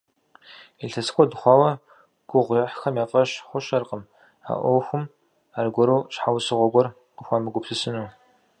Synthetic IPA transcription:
iɬʰɐsxʷʰʼɔdɨχʷɑːwɐ | ɡ̥ʷʊʁʷiħxɐmjaːfʼɐɕχʷʊɕɐrqəm | a̰ʔʷɔwxʷʊm | aːrɡʷɔɾuːɕħawsɨʁʷɔɡʷɔr | qəxʷaːmɨɡʷʊpsɨsɨnuː

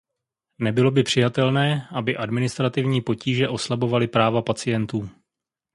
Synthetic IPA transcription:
nɛbɪlo̞bɪpr̝̥ɪjat̪ɛlnɛːʔabɪʔadmɪnɪst̪ɾat̪ɪvɲiːpo̞ciːʒɛʔo̞slabo̞valɪpɾaːvapat͡sɪjɛnt̪uː

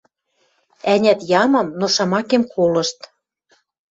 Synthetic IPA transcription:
ænʲæt̪jɑmɤ̆mnoʃɑmɑkemkʰolɤ̆ʃt̪

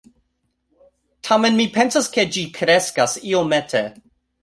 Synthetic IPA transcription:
tʰamenmipʰensasked͡ʒikʰɾeskasiometʰe

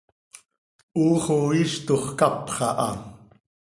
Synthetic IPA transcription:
ʔuːχoiʃt̪oχkɑpχɑʔɑ

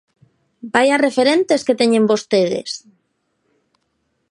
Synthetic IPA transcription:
bajarefeɾent̪esket̪eɲembost̪eðḛs

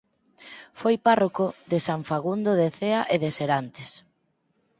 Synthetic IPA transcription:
fojparokoðesaɱfaɣund̪oðeθeaʔeðeseɾant̪es

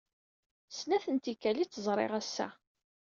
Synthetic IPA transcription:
snæθənt̪ikːælit͡sːəzˤɾˤɪ̰ʁæsːæ̰

